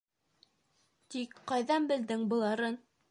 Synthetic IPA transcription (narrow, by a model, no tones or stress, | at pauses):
t̪ikqɑjðɑnbɘ̆ld̪ɘŋbɤ̆lˠɑɾɤn